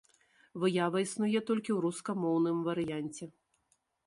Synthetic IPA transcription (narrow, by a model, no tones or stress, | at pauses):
vɨjavɐisnujɛt̪ɔlʲkʲiwɾuskɐmɔwnɨmvɐɾɨjanʲt͡sʲɛ